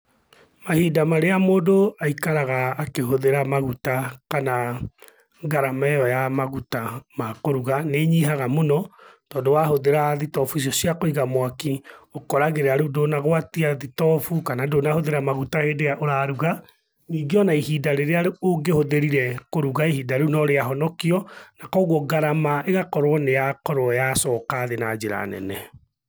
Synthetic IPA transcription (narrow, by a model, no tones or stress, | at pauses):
mahidamaɾeamoːdoaikaɾaɣaːkeɦoðeɾamaɣutakana | ɡaɾamɛjɔjamaɣutamakoɾuɣaneɲiɦaɣamonɔtɔːdowahoðeɾaðitɔfuis̬jɔsjakoiɣamwakiokɔɾaɣeɾɛaɾudonaɣwatiaðitɔfukanadoːnahoðeɾamaɣutaheːdejaʔoɾaɾuɣa | niːɡeɔnaihiːdaɾeɾeaɾeoɡehoðeɾiɾɛkoɾuɣaihidaɾunɔɾeaɦɔnɔkiɔnakɔɣwɔɡaɾamaʔeɣakɔɾwɔnejakɔɾwɔjasɔːkaːðenad͡ʒeɾa̰nɛ̰nɛ